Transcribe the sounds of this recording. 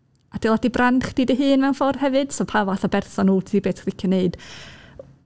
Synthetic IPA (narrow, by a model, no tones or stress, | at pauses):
ad̥ɪlˠad̥ibranχd̥iːdəɦɨːnmɛwnfɔrhɛvɨd̥sɔpʰavaθɔbɛrθɔnuːtʰiːbeːtkrɪkʰjɔneɨd̥